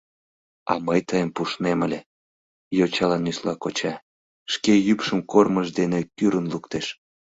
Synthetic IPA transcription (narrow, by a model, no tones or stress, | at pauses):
ɑ̰məjt̪əjəmpuʃneməlʲe | jot͡ɕɑlɑnːyslɑkot͡ɕɑ | ʃkejypʃəmkorməʒd̪enekyɾənlukt̪eʃ